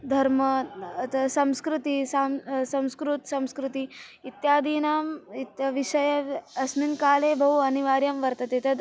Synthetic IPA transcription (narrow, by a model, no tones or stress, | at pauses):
d̪ʱɐɾmɐɐt̪ɐsɐ̃mskɾut̪isaːmsɐ̃mskɾut̪sɐ̃mskɾut̪iit̪jaːd̪iːnaːmit̪jɐʋiʃɐjɐɐsniŋkaːleːbʱɐɦuɐniʋaːɾjɐmʋɐɾt̪ɐt̪et̪ɐd̪